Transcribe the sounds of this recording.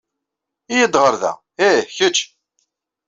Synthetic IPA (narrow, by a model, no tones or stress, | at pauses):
ijəd̪ʁəɾðæ̰ | eçət͡ʃː